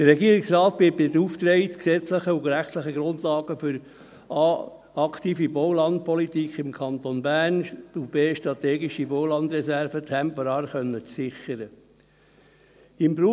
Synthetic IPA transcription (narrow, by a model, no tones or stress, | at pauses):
d̥əɾɛɡiəɾɪksɾɑːt̪̚b̥ɪpɪt̪uft̪ɾɛɪtksɛt͡sləχəuɡɾæχt̪ləχəɡɾʊnd̪lɑːɡ̥əfʏɾ | ɑː | ɑkʰtiːfiboʊlɑnd̥̪̚pʰɔlitikχɪmkʰɑnt̪onbæːɾntubeːʃtɾɑt̪ɛːɡiʃiboʊlɑnd̪ɾɛsæɾfətʰɛmpɔɾɑːɾχœnːət͡ssɪχːəɾə | ɪmbɾu